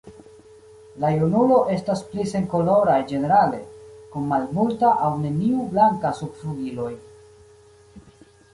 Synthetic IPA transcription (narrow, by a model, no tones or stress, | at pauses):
lajunulo̞ʔe̞stasplise̞ŋko̞lo̞ɾajd͡ʒe̞ne̞ɾale̞kunmalmultaʔawne̞niublaŋkasubfluɡilo̞j